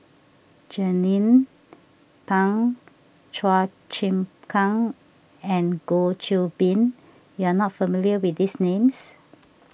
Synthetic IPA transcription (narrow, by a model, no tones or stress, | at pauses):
d͡ʒənĩn | pãŋ | t͡ʃa | t͡ʃĩmkʰãŋ | ɛ̃nɡot͡ʃilbĩn | juanɔtfəmiljəwitdisnẽms